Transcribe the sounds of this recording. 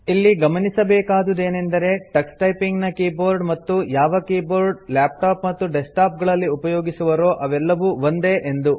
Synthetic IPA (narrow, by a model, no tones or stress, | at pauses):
ilːiɡɐmɐnisɐbɛːkaːd̪ud̪e̞ːnend̪ɐɾe̞ʈɐksʈɐjpiŋɡnɐkiːboːɾɖmɐt̪ːujaːʋɐkiːboːɾɖlaːp̚ʈaːpmɐt̪ːuɖesʈaːp̚ɡɐɭɐlːiupɐjoːɡisuʋɐɾo̞ːʔɐʋɛlːɐʋuʋond̪e̞ʔend̪u